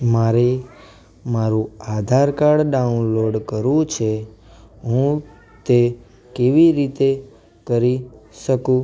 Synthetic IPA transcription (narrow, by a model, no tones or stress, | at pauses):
maɾe | maɾũad̪ʱaɾkaɾɖɖaunloɖkəɾũt͡ʃʰe | ɦũ | t̪e | keʋiɾit̪e | kəɾiʃəkũ